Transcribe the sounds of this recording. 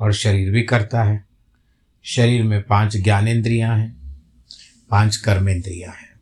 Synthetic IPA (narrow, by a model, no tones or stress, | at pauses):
ɔːɾʃɐɾiːɾbʱikɐɾt̪aɦɛː | ʃɐɾiːɾmẽpãːt͡ʃɡjaːnẽːnd̪ɾijãɦɛ̃ː | pãːt͡ʃkɐɾmẽːnd̪ɾijãɦɛ̃ː